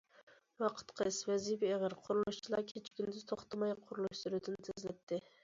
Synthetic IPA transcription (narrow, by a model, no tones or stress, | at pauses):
wɑqʰə̥t̪qʰəswɛzibieʁəɾqʰʊɾulˠuʃt͡ʃʰilˠɑkʲʰet͡ʃʰkʲynd̪ɪzt̪ʰoχt̪ʰɑmɑjqʰʊɾulˠuʃsuɾud̪ɪnt̪ʰɪzlɪt̪ʰːɪ